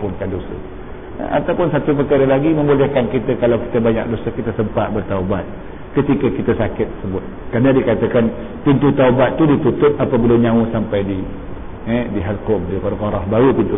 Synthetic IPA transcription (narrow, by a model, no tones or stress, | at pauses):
pʊnkandosə̰ | a̰t̪awpʊnsat̪up̬əkaɾəlaɡiməmbolɛhkankit̪əkalawki̥t̪əbaɲa̰k̚dosəkit̪əsəmpat̪̚bərt̪aubat̪̚ | kət̪ikəkit̪asakɪt̪ːərsəbʊt̪̚ | karnadikat̪əkan | pint̪ut̪aubat̪ːudit̪ut̪ʊp̪̚apabiləɲãwsampajdi | ɛdiɦalkɔm̚dikəɾkɔɾɔhbaɾupint̪u